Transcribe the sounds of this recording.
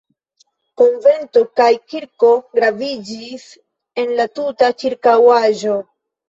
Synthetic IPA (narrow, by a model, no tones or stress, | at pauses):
ko̞nve̞nto̞kajkiɾko̞ɡɾavid͡ʒis | e̞nlatutat͡ʃiɾkawaʒo̞